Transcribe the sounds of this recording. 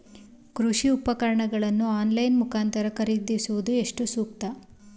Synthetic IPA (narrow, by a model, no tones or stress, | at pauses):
kɾuʂiupɐkɐɾɐɳɐɡɐɭɐnːuaːnlɐjnmukʰaːnt̪ɐɾɐkɐɾid̪isuʋud̪ue̞ʂʈusuːk̚t̪ɐ